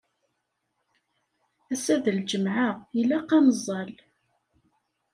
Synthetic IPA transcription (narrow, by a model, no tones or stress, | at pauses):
æsæðəld͡ʒəmʕaʁilæqːɑmzˤːɑl